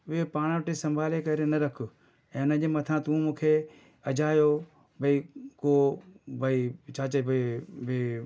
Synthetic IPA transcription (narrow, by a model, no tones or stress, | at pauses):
ʋɪepaːɽ̃ʋəʈesɐmbʱaːlekɐɾenɐɾɐkʰʊ | ɛ̃ːʊnəʄemɐt̪ʰãːt̪ũmũːkʰe | ɐd͡ʒaːjo | bʱəikoːbʱəit͡ʃʰaːt͡ʃɐibʱibi